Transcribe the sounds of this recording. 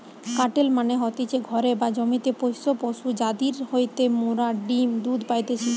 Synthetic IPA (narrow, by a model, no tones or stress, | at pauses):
kaʈelmaneɦɔt̪it͡ɕʰeɡʱɔɾebad͡ʑomit̪epojsopoʃud͡ʑad̪iɾhojt̪emuɾaɖimd̪ud̪pajt̪et͡ɕʰi